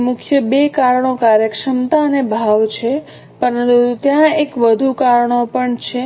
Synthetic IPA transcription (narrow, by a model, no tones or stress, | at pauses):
mʊkʰjəbekaɾɳokaɾjəkʃəmt̪aənebʱaʋt͡ʃʰe | pəɾənt̪ut̪ut̪jãekʋəd̪ʱukaɾɳ̃opəɳt͡ʃʰe